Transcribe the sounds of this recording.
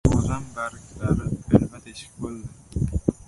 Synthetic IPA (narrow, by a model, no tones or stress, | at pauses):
ozambaɾɪkʲlaɾɪɪlmat̪ʰeʃɪ̥k̚bolˠd̪ɪ